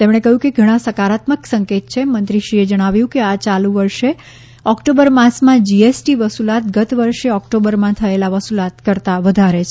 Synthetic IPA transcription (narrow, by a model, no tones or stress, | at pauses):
t̪emɽ̃ekəɦjũkeɡʱəɽ̃ãsəkaɾat̪məksəŋket̪̚t͡ʃʰemə̃nt̪ɾiʃied͡ʒəɽ̃aʋjũkeat͡ʃalũʋəɾʃe | ɔkʈobəɾmãsmãd͡ʒiesʈiʋəsulat̪̚ɡət̪ʋəɾʃeɔkʈobəɾmãt̪ʰəelaʋəsulat̪kəɾt̪aʋəd̪ʱaɾet͡ʃʰ